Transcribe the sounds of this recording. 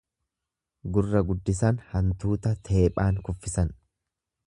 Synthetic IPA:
ɡʊrːɐɡʊd̪ːɪs̬ɐnhɐnt̪uːt̪ɐt̪ʰe̞ːpʼaːŋkʊfːɪsɐn

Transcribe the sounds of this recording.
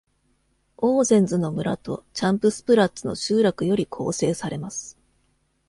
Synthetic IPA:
oːzẽ̞nd͡zɨno̞mɯ̟ɾa̰t̪o̞̰t͡ɕãmpɯ̟sɨ̥pɯ̟ɾat͡sɨno̞̰ɕɨːɾakɯ̟jo̞ɾʲikʰo̞̰ːse̞ːsaɾe̞masɨ̥

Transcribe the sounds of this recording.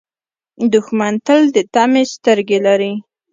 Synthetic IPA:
d̪ʊxmant̪əld̪ət̪amest̪əɾɡelaɾi

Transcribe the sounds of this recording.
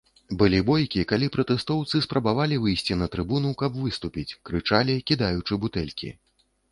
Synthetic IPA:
bɨlʲibɔjkʲikalʲipɾɐt̪ɛst̪ɔwt̪sɨspɾɐbavalʲivɨjsʲt͡sʲinɐt̪ɾɨbunukɐbvɨst̪upʲit͡sʲkɾɨt͡ʂalʲikʲid̪ajut͡ʂɨbut̪ɛlʲkʲḭ

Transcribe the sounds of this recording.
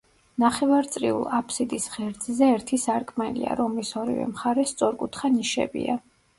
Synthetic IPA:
naχɛvaɾt̪sʼɾiṵlˠapʰsid̪isʁɛɾd̪zzɛːɾt̪ʰisaɾkʼmɛlḭa̰ɾɔmlisɔɾḭvɛ̰mχaɾɛst̪sʼɔɾkʼut̪ʰχaniʃɛ̰bḭa

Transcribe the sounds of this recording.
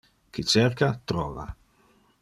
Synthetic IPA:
kit͡ʃɛrkat̪ɾɔːva̰

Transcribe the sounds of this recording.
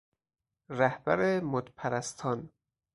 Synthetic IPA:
ɾæhb̥æɾemod̪pʰæɾæst̪ʰɒːn

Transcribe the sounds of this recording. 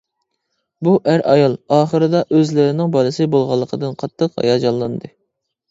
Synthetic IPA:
buʔæɾɑjɑlˠɑːχəɾɨd̪ɑʔøzlɪɾɪnɪŋbɑlˠɨsɨbolˠʁɑlˠːəqʰəd̪ɨnqʰɑt̪ʰːəqhɑ̰jɑːd͡ʒɑlˠːɑnd̪ɨ

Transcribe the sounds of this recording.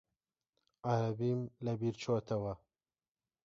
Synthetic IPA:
ʔaɾɐbiːmlɐbiːɾt͡ʃʰoːt̪ʰɐwɐ

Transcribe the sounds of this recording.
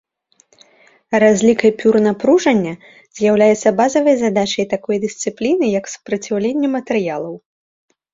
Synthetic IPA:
razʲlʲikɐjpʲurnapɾuʐɐnʲːɐ | z̥ʲjawlʲajɛt̪sːɐbazɐvɐjzad̪at͡ʂɐjt̪akɔjd̪ɨsʲt̪sɨplʲinɨjɐksu̥pɾɐt͡sʲawlʲenʲːɛmɐt̪ɛɾɨjalˠɐw

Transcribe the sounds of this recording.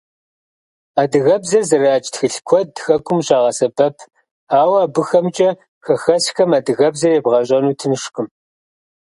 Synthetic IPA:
aːdɨɣɐbzɐrzɐraːt͡ʃʼtxɨɬkʷʰɔdxɐkʷʼʊmɕaːʁɐsɐbɐpʰ | aːwaːbɨxɐmt͡ʃʼɐ | xɐxɐsxɐmadɨɣɐbzɐrjebʁɐɕʼɐnuːtʰɨnɨʂkʼɨm

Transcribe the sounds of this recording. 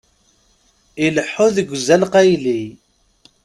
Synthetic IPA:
iləħːʊðəɡʷzælqæjli

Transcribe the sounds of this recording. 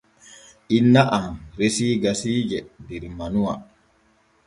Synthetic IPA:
ʔinːaʔanɾesiːɡasiːd͡ʒɛdeɾimanuwa̰

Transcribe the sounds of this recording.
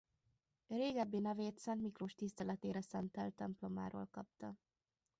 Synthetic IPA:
reːɡɛbːeːnɛveːt̪sɛnt̪mikroʃt̪ist̪ɛlɛt̪eːɾɛsɛnt̪ɛlt̪ːɛmplo̞ma̰ːɾo̰ːlkɒp̚t̪ɒ

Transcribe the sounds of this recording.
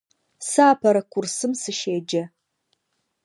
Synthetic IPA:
saːpʰɐɾɐkʷʰʊrsɨmsɨʃeːd͡ʒɐ

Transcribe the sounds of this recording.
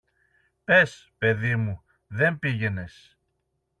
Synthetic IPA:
pe̞s | pe̞ðimu | ðe̞mpiʝe̞ne̞s

